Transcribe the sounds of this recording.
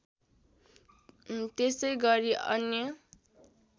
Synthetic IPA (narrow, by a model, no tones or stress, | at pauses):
t̪esʌjɡʌɾiʌ̰njʌ